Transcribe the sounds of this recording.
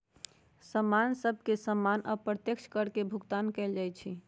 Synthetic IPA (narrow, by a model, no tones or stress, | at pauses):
səmːansəb̚ʱkesəmːanʔəpɾət̪jəkt͡ʃʰkəɾkebʱuɡt̪ankɛɪld͡ʒajt͡ʃʰi